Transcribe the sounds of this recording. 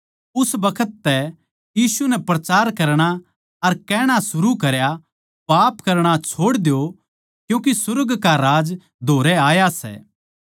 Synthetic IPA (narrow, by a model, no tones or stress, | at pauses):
ʊsbɐkʰət̪ːɛ | jiːsunɛpɾɐt͡ʃaːɾkɐɾɽ̃a | ɐɾkɛːɽ̃asʊɾukɐɾja | paːpkɐɾɽ̃at͡ʃʰoːɽd̪jo | kjũːk̬isʊɾɡkaɾaːd͡ʒ | d̪ʱoːɾɛaːjasɛ̰ː